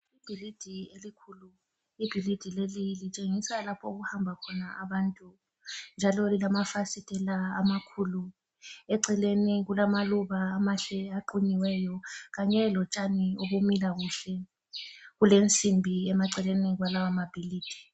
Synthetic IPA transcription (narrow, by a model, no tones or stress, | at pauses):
ib̥ʱilid̥ʱielikʰulu | ib̥ʱilid̥ʱilelilit͡ʃʼeŋisalapʰɔuɣuhambʱakʰɔnaʔaβantʼu | nd͡ʒʱalɔlilamafasitʼɛlaːmakʰulu | ɛǀɛleniɣulamaluβaːmaɬɛaǃuɲiwɛjɔɣaɲɛlɔt͡ʃʼanioβumilaɣuɬɛ | ɣulent͡sʼimbʱiɛmaǀɛleniɣwalawamab̥ʱiliːd̥ʱi̥